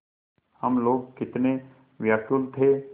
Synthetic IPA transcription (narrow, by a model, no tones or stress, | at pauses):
həmloːɡ̚kɪt̪ne | ʋjakjult̪ʰeː